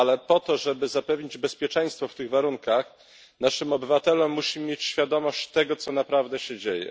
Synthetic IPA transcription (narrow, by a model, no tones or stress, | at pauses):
alɛpɔt̪ɔʐɛbɘzapɛvɲid͡ʑbɛspʲjɛt͡ʂɛj̃st̪fɔft̪ɘɣvaɾuŋkax | naʂɘmɔbɘvat̪ɛlɔmːuɕimʲjet͡ɕɕfʲjad̪ɔmɔɕt͡ɕt̪ɛɡɔt̪sɔnapɾavd̪ɛɕɛd͡ʑejɛ̰